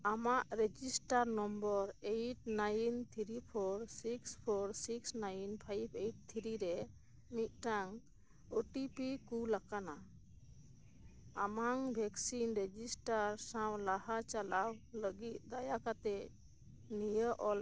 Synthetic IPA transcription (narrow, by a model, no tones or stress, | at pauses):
amaʔɾed͡ʒisʈaɾnɔmbɔɾejʈnajnt̪ʰiɾipʰɔɾsikspʰɔɾsiksnajnpʰajbʰejʈ̚t̪ʰiɾiɾɛ | mit̪̚ˀʈaŋ | oʈipikulakana | amaŋbʱɛksinɾed͡ʒisʈaɾsãwlahat͡ʃalawləɡit̪̚d̪ajakat̪ɛ | nijəʔɔl